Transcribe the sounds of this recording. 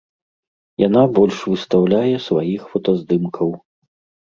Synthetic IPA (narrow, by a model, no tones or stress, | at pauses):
janabɔlʲʂvɨst̪awlʲajɛsvajixfɔt̪ɐzd̪ɨmkʰɐw